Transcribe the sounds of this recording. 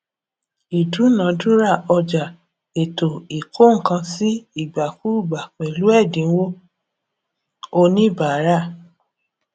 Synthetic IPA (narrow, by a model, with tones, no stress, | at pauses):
i˨du˨˦nã˨˦dũ˦ɾa˦˨ɔ˧d͡ʒa˨ | e˨to˨i˨kʰo˦ŋ̩˨kã˧si˦i˦˨ɡ͡ba˨fu˦u˦˨ɡ͡ba˨k͡pɛ˨lu˨˦ɛ˦˨dĩ˨˦wo˦ | o˧nĩ˦ba˨˦ɾa˦˨